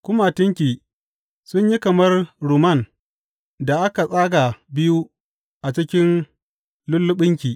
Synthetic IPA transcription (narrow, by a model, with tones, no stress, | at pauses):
kʷʊ˦ma˨tɪ˦ŋkʲiː˨ | sʊ˦ɲji˦kɐ˨mɐ˦rɾuː˨mɐ˦˨n | da˨ʔa˦ka˨sʼaː˦ɡa˨bɪ˦ju˦ | ʔa˨t͡ʃɪ˦kʲɪ˦n | lʊ˦lːʊ˦ɓɪ˦ŋkʲiː˨